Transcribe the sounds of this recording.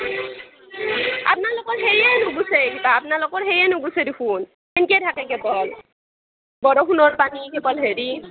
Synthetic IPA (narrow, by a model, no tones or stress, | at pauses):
a̰p̚naɹlʊkɔɹɦejɛnʊɡusɛɡitaːpnalokɔɹɦejɛnʊɡusedikʰun | enikɛtʰakɛkɛbɔl | bɔdɔkʰunɔɹpanikɛbɔlɦeɹi